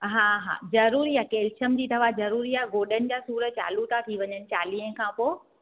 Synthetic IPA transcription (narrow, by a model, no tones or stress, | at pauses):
ɦãːɦa̰ːzɐɾuːɾiakeːlt͡ɕəmd͡ʑiːt̪ʰɐʋazɐɾuːɾiaɡoːɗənɪ̆d͡ʑaːsuːɾət͡ɕa̰ːlut̪ʰat̪ʰiʋɐɲənɪ̆t͡ɕaːliːə̃kʰãpoː